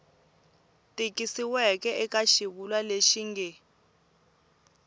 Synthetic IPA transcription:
tʼikʼisiwɛkʼɛɛkʼaʃiβulaleʃiŋɡɛ

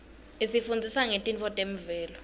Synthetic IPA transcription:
esifund͡zʱisaŋetʼint͡fʰɔtʼem̩vɛːlɔ

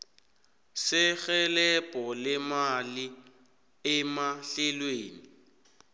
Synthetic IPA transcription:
sɪɣɛlɛpʼɔlɪmali | ɪmaɬɪlweːni

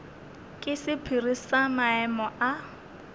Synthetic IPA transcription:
kʼɪsɪpʰirisamaɛmɔʔa

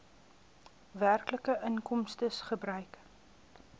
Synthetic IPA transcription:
værkləkəʔəŋkɔmstəsχəbrœɥk

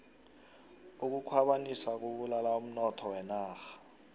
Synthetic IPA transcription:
uk̬ukʰwaɓanisak̬uɓulalaum̩nɔtʰɔwɛnaːxḁ

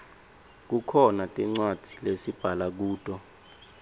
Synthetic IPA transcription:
k̬ukʰɔnatʼiŋ͡ǀwad̥ʱilesib̥ʱalak̬uːtʼɔ

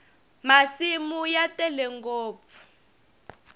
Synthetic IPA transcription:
masimujatɛlɛŋɡoːp̪fu̥

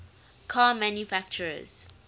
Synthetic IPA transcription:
kʰaːmãnjufak̚t͡ʃəɹə̰z̥

